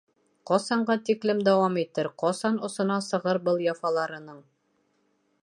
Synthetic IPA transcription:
qɒsɑɴɢɑt̪iklɘmd̪æwɑmit̪ɘɾqɒsɑnŏsɤ̆nɑsɤ̆ʁɤɾbɤlˠjɑfɑlˠɑɾɤ̆nɤɴ

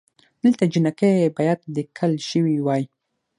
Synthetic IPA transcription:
d̪̥əlt̪ad͡ʒɪnakabajat̪̚d̪əkʰalʃəwiwɑji

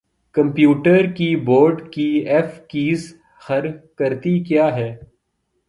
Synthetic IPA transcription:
kɐ̃mpjuːʈəɾkiboːɾɖkiɛːfkiːz | xɐɾkɐɾt̪ikjaːɦɛː

